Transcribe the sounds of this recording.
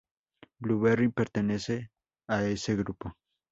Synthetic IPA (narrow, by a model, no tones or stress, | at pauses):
bluβeripe̞ɾt̪e̞ne̞se̞ | aeseɣɾupo